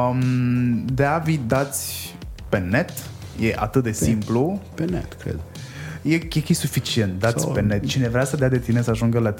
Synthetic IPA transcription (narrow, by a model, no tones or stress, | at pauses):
md̪eavid̪at̪sʲ | pe̞ne̞t̪ | jeʔa̰t̪ɨt̪̚d̪e̞simplupenḛt̪kɾḛd̪ | jekekisufit͡ʃient̪̚d̪at̪sʲpenet̪̚t͡ʃinevɾeasəd̪ead̪e̞t̪ine̞səaʒuŋɡəla